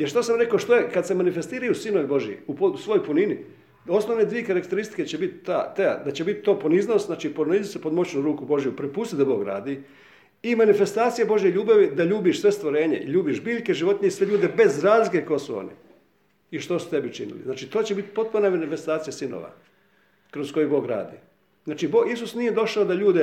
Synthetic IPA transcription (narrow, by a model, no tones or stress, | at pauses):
jeɾʃt̪osamɾe̞koʃt̪o̞jekad̪semanife̞st̪iːɾajusinoʋibo̞ʒjḭupousʋo̞jojpunini | o̞snoʋne̞d̪ʋie̞kaɾakt̪e̞ɾist̪i̥ket͡ɕebit̪t̪aːt̪eja̰d̪at͡ɕebit̪̚t̪ːoːpo̞niznoszaːt͡ʃiːponizisepo̞d̪mo̞t͡ɕnuɾuːkubo̞ʒijupɾepust̪it̪d̪abo̞ːɡɾa̰ːd̪i | imanife̞st̪aːt̪sijebo̞ʒjeʎuːbaʋid̪aʎuːbiʃsʋe̞st̪ʋoɾe̞ːɲḛḭʎuːbiʃbiːʎkeʒiʋo̞t̪nʲeisʋe̞ʎuːd̪e̞be̞zɾaːzlike̞koesuo̰nḭ | iʃt̪osu̥t̪e̞bit͡ʃinḭlḭznaːt͡ʃit̪o̞ːt͡ɕebit̪i̥po̞t̪̚punamanife̞st̪aːt̪sijasino̰ʋa̰ | kɾo̞sko̞jubo̞ːɡɾa̰ːd̪ḭː | znaːt͡ʃiboːɡisusnije̞d̪o̞ʃaod̪aʎuːd̪e